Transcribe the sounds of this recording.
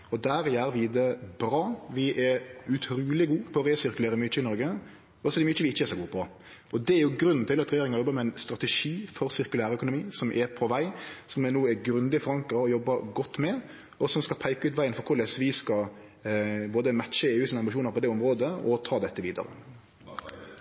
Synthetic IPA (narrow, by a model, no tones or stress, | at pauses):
ɔd̪æɾjæɾʋɪd̪ɛbɾɑːʋɪʔɛɾʉt̪ʰɾuːlɪɡuːpʰɔːɾeːsɪɾkʉleːɾəmyt͡ʃəɪnɔɾɡə | ɔɔsɔd̪ɛmyt͡ʃəʋɪɪçːəɛːɾsɔɡuːpʰɔ | ʔɔd̪ɛæɾjʊɡɾʉnn̩t̪ɪlɑt̪ɾɛjeːɾɪŋɑjɔbːəmɛɪnst̪ɾɑt̪ɛʂiːfɔɾsɪɾkʉlæːɾəœkʊnʊmiːsɔmʔɛpʰɔʋæɪsɔmɛnuːɛɡɾʉnd̪ɪfɔɾɑŋkɑɔjɔbːɑɡɔt̪ːmɛ | ɔsɔmskɑlpʰæɪkɑʉːt̪ʋæɪənfɔɾkʰʊɾlɛsʋɪskɑ | boːd̪əmæt̪ːʃəeːʉːsiːnəɑmbɪʃuːnəɾpʰɔd̪ɛɔmɾoːd̪əɔt̪ʰɑːd̪ɛt̪ːəʋiːd̪ə̰ɾə̰